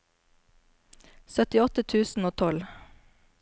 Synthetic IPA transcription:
sœt̪ɪɔt̪ət̪ʰʉːsn̩oːt̪ʰɔl

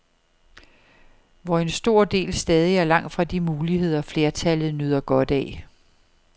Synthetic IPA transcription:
ʋɒe̝nsd̥o̝ɐ̰d̥e̝̰ːlsd̥ɛːð̞ˠiæɐlɑ̈ŋ̰d̥fʁɑ̈d̥imuːlihe̝ð̞̰ˠɐfle̝ɐt͡sʰælð̞̩ˠnøð̞̰ˠɐɡ̥ɒ̽d̥ɛː

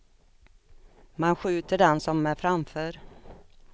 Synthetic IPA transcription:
manɧʉ̟ːt̪əɖɛnsɔmːæfɾamfœːɾ

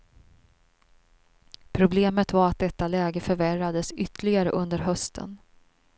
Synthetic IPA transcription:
pʰɾʊbleːmət̪vaɾat̪̚d̪ɛt̪ːalɛːɡəfœɾværad̪əsʏt̪lɪɡaɾə̰ʔɵnd̪əɾɦœst̪ʰə̰n

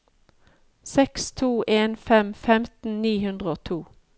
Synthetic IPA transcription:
sɛkst̪ʰuːʔeːnfɛmfɛmt̪n̩niːhʉnd̪ʁəoːt̪ʰuː

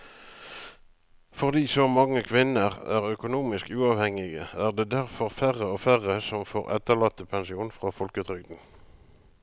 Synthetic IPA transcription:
fɔʁd̪iːsoːmɑŋːəkʰʋɪnəʁæːʁœkʊnuːmɪskʉːɑːʋhɛŋɪɡəæːʁd̪eːd̪æʁfɔʁfæːʁəoːfæʁəsɔmfoːʁɛ̰t̪əlɑt̪ːəpʰɛnsɪuːnfʁɑːfɔlkət̪ʰʁʏɡd̪n̩

